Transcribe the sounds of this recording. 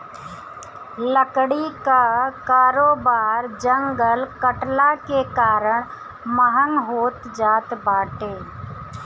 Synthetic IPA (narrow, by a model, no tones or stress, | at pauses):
ləkɽikakaːɾoːbaːɾd͡ʒə̃ŋɡəlkəʈlakekaːɾəɽ̃ | məɦənɦoːt̪d͡ʒaːt̪baːʈeː